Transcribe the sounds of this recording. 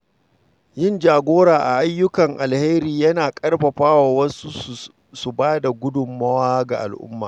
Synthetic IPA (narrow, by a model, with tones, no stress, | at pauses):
jɪ˦nd͡ʒaː˨ɡʷoː˦ɾaː˨ʔa̰˨ʔa˦jːʊ˦kɐ˨ŋʔa˨lhe˦ɾiː˨jɐ˦naː˨kʼɐ˦rɸɐ˨ɸaː˦waː˨wɐ˦su˦˨ | su˨baː˦da˨ɡʷʊ˦dʊ˨mːɐ˦waː˦ɡa̰˨ʔa̰˨lʔʊ̰˦mːa̰ː˨